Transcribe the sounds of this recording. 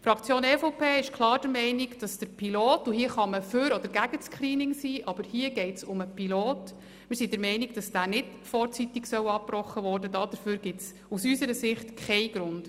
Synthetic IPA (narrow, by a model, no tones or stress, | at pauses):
fɾɑkt͡sjoːnɛfoʊpʰeːɪʃkʰlˠɑːɾd̥əɾmɛɪniɡd̥ɑsd̥əɾpʰiloːtuhiːəχɑməføɾɔd̥̪əɾɡ̥æɡ̥əskχɾiːnɪŋsiːʔɑb̥əɾhiːəɡɛɪtsʊməpʰiloːt | mɪɾsidəɾmɛɪniɡd̥ɑsd̥æːnɪd | fɔːɾt͡sitiksœwɑpːrɔχːəʋɔːrdədɑːd̥əɾføːɾɡ̥ɪts | usysəɾəsɪχtkʰχɛɪɡ̥ɾʊnd̥